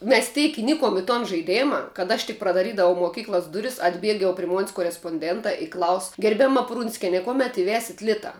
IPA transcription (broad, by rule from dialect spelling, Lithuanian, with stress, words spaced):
mʲɛs ˈtʲɛɪk ɪˈnʲɪkoːm ɪ toːn ʒɐɪˈdʲeːmɐ kɐt ˈɐʃ tʲɪk prɐdɐˈrʲiːdɐʋɐʊ moːˈkʲiːklˠɐs ˈdʊrʲɪs ɐdʲˈbʲiɛk jɛʊ pʲrʲɪ moːnʲsʲ koːrʲɛspoːnʲˈdʲɛntɑː ɪ klˠɐʊs ɡʲɛrʲbʲɛˈmɐ ˈprʊnʲsʲkʲɛnʲɛ ˈkuɔmʲɛt ɪˈʋʲæːsʲɪt ˈlʲɪtɐ